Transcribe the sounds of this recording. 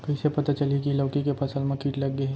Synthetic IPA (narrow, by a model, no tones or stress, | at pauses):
kɐisepɐt̪at͡ʃɐlikilɐːkikepʰɐsəlmẽkiːʈlɐɡːe